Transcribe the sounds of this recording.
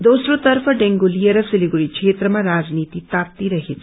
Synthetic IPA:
d̪osɾot̪əɾpʰəɖeŋɡulijəɾəsɪliɡuɾikʰʃet̪ɾəmãɾad͡ʒnit̪it̪ap̚t̪iɾəɦet͡ʃʰe̥

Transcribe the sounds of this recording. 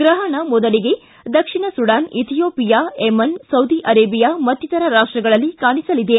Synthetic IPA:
ɡɾɐɦɐnɐmɔd̪ɐliɡe̞ | d̪ɐkʂiɳɐsuɽaːnit̪ʰijoːpijaːemɐnsɐwd̪iʔɐɾeːbijamɐt̪ːjit̪ɐɾɐɾaːʂʈɾɐɡɐɭɐlːikaːɳisɐlid̪e̞

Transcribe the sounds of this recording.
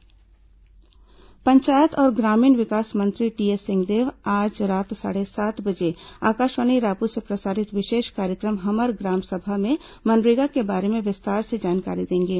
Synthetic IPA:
pɐ̃ɲt͡ʃaːjət̪ɔːɾɡɾaːmiːnʋɪkaːsmɐ̃nt̪ɾiʈiːesɪ̃ŋɡd̪eːʋaːd͡ʒɾaːt̪sa̰ːɽesaːt̪bɐd͡ʒeaːkaːʃwəñiɾaːpusepɾɐsaːɾɪt̪ʋɪʃeːʃkaːɾjəkɾəmɦɐməɾɡɾaːmsɐbʱamẽ | mɐnɾeːɡakebaːɾemẽʋɪst̪aːɾsed͡ʒaːnka̰ːɾid̪ẽːŋɡeː

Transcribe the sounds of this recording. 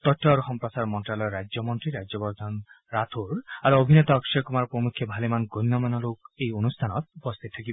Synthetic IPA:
t̪ɔʈʰːɔɾɔɦɔmpɾɔsaɾmɔnʈɾalɔjɾad͡ʒjɔmɔnt̪ɾiɾad͡ʒɔpɔd̪ʱan | ɾat̪ʰoɾaɾuobʱinet̪ɔːkʃɔkumaɾɔpɾɔmukʰːjɔbʱalemanɡojnːɔmanɔlokejonust̪ʰanɔt̪upɔst̪ʰit̪t̪ʰakibɔ

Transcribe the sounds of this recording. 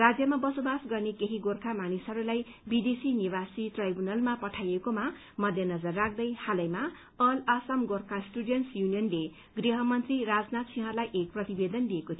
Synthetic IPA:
rad͡zjʌmabʌsobasɡʌrnekeɦiɡorkʰamanisɦʌɾulaj | bid̪esiniβasiʈrajbunʌlmapʌʈʰajekoma | mʌd̪ʱjʌnʌd͡zʌrːak̚ʰd̪ʌjhalʌjma | ʌlʌsamɡorkʰasʈuɽjʌnʈsjunijʌnle | ɡriɦʌmʌnt̪riɾad͡znat̪̚sʰiɦʌ̃lajʔek̚prʌt̪ibed̪ʌnliekot̪ʰij

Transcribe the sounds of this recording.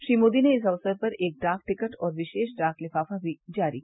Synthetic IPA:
ʃɾiːmoːd̪ineɪs̬ɐʋsəɾpɐɾeːk̚ɖaːk̚ʈɪkəʈɔːɾʋɪʃeːʃɖaːklɪfaːfabʱid͡ʒaːɾḭk

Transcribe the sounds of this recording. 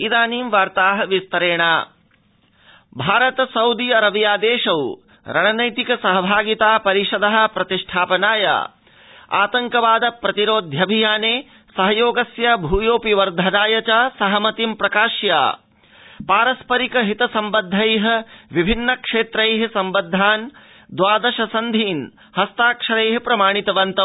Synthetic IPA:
id̪aːniːmʋaːɾt̪aːɦɐ̆ʋist̪ɐɾeːɳaː | bʱaːɾɐt̪ɐsɐwd̪iɐɾɐʋjaːd̪eːʂɐw | ɾɐɳɐnɐjt̪ikɐsɐɦɐbʱaːɡit̪aːpɐɾiʂɐd̪ɐɦɐ̆pɾɐt̪iʂʈʰaːpɐnaːja̰ː | a̰ːt̪ɐŋkɐʋaːd̪ɐpɾɐt̪iɾoːd̪ʱjɐbʱijaːneː | sɐɦɐjoːɡɐsjɐbʱuːjoːpiʋɐɾd̪ʱɐnaːjɐt͡ʃaːsɐɦɐmɐt̪impɾɐkaːʃja̰ː | paːɾɐspɐɾikɐɦit̪ɐsɐmbɐd̪ʱːɐjɦɐ̆ʋibʱinːɐkʂeːt̪ɾɐjɦɐsɐmbɐd̪ʱːaːn | d̪ʋaːd̪ɐʃɐsɐnd̪ʱiːn | hɐst̪aːkʂɐɾeːɦɐpɾɐmaːɳ̃it̪ɐʋɐnt̪ɐ

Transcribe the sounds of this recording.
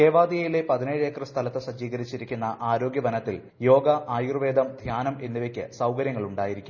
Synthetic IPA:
eːʋaːd̪ijɐjile̞pɐðineːɻekːrɨst̪ʰɐlɐt̪ːɨɕɐd͡ʑiːɣɐɾit͡ɕːiɾikʲːunːɐʔaːɾo̞ːɡjɐʋɐnɐt̪ːil | jo̞ːɡɐʔaːjurʋeːd̪ʱɐmd̪ʱjaːnɐme̞nːiʋekʲːɨ̰sɐwkɐɾjɐŋːɐɭuɳɖaːjiɾikʲːum

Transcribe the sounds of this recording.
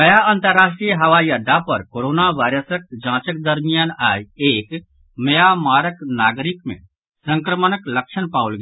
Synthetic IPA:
kɐjaə̃nt̪əɾːaːʃʈɾijəɦɐʋajad̪ʱapɐɾkoːɾoːnaʋaːɪɾəsək̚d͡ʒãːt͡ʃək̚d̪ɐɾmijaːnaːjeːk | məjamaːɾəknaːɡɾɪkmḛ̃ | sə̃ŋkɾəmənəklɐkʃənpaːʊlɡ

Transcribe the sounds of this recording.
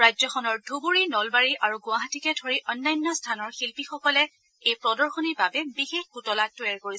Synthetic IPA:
ɹajzɔxʰɔnɔɹdʱubuɹinɔlbaɹiʔaɹuɡʊaɦatikɛdʰʱɔɹiʔɔnːajnːɔstʰanɔɹxilpixɔkɔlɛ | ejpɹɔdɔɹxoniɹbabɛbixexkutɔlatːʊaɹkoɹisɛ

